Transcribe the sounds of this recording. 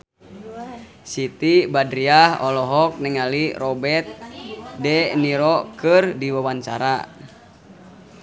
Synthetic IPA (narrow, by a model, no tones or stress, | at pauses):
sit̪ibadɾiahɔlɔɦɔk̚nɛŋalirɔbɛt̪̚dɛniɾɔkɨrdiwawaɲt͡ʃa̰ɾa